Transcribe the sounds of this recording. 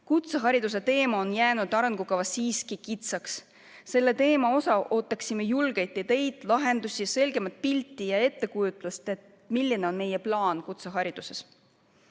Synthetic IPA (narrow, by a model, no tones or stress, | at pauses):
kut̪seɦɑɾid̪̥us̬e̞t̪e̞ːmɑonjæːnud̪ɑɾnɡ̥ukɑvɑsiːskikit̪sɑks | se̞lːe̞t̪e̞ːmɑo̞sɑʔo̞ːt̪ːˑɑksimejulɡ̥e̞jt̪ːˑet̪e̞jd̪̥lɑɦe̞nd̪̥usʲijɑse̞lɡ̥e̞mɑt̪̚ˑpilʲt̪ːˑijɑe̞t̪ːe̞kujut̪ːˑlɑst̪e̞t̪ | milʲːineo̞nme̞jeplɑːnkut̪seɦɑɾid̪̥use̞s